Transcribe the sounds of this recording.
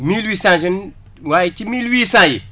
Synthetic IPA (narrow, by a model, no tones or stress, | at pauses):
milwiːsãʃin | wajit͡ʃimilwiːsãjḭ